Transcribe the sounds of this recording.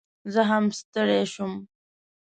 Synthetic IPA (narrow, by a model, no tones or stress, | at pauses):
zəɦamst̪əɽeʃum